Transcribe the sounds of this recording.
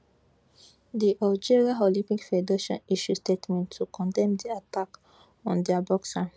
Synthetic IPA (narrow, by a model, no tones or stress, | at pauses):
d̪iʔald͡ʒiɹiaɦɔlĩpĩkfedeʃɔ̰̃niʃustetmɛ̃ntʰːukʰɔ̃ndɛ̃md̪iatak | ɔ̃nd̪ɛabɔksa